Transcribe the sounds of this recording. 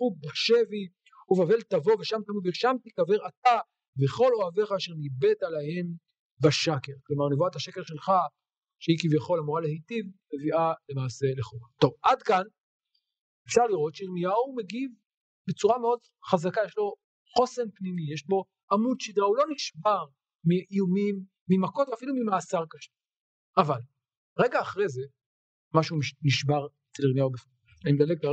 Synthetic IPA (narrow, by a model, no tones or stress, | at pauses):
ubaʃe̞vi | uvave̞lt̪avo̞veʃamt̪amid̪viʃamt̪ikave̞ʁat̪a | veχo̞lo̞ave̞χaːʃeʁnibe̞t̪alahe̞m | baʃake̞ʁklo̞maʁnevuat̪aʃe̞ke̞lʃe̞lχa | ʃeikivjaχo̞lamoʁalehetivme̞viʔale̞maːse̞leχukt̪o̞vad̪kan | efʃaʁliʁo̞tʃeʁnijaume̞ɡiv | bet͡suʁameo̞d | χazakajeʃlo̞ | χo̞senpnimijeʃbo̞ | ʔamudʃidʁaulo̞niʃbaʁ | miʔijumimː | imako̞t̪veafilumimaːsaʁkaʃe | aval | ʁeɡaːχʁejze̞ | maʃumniʃbaʁet͡seliʁnijaubef | aimd̪aleɡ̚la